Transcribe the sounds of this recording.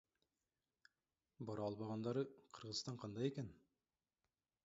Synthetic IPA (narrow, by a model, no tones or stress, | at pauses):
bɑɾɑɑlˠβɑʁɑnd̪ɑɾɯqʰɯɾʁɯzst̪ɑɴqʰɑnd̪ɑjeken